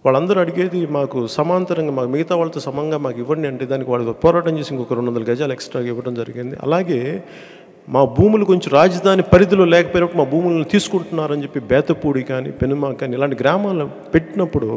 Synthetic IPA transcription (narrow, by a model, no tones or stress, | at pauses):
ʋaːɭːɐnd̪ɐɾuɐɽiɡe̞ːd̪imaːkusɐmaːnt̪ɐɾɐŋɡaːmaːkumiɡɐt̪aːʋaːɭɐt̪oːsɐmɐŋɡaːmaːkiʋːɐɳɖiɐɳʈeːd̪aːnikiʋaːɭːpɔːɾaːʈɐmt͡ʃeːsiŋkɔkɐɾuɳʋɐndɐlɐɡɐd͡ʒaːleksʈɾaːɡaːiʋːɐʈɐmd͡ʒɐɾiɡind̪ḭɐ̰laːɡe̞ː | maːbʱuːmulukoɲt͡ʃomɾaːd͡ʒɐd̪ʱaːnipɐɾid̪uloːlɛːkɐpoːjnɐpːuɽimaːbʱuːmulɐnt̪iːsu̥kuɳʈunːaːɾɐɲt͡ʃe̞pːibɛːt̪ɐpuːɽikaːnḭpenumaːkaːnilaːɳʈiɡɾaːmaːlu | pe̞ʈːinɐpːuɽu